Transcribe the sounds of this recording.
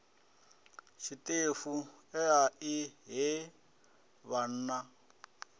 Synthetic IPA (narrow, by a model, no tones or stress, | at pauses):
ʃitefuɛaʔiɦe | βan̩ːna